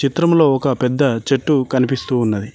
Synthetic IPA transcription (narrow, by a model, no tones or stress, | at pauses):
t͡ʃit̪ɾɐmlo̞ːɔkɐpɛd̪ːɐt͡ʃe̞ʈːukɐnipist̪uːnːɐd̪i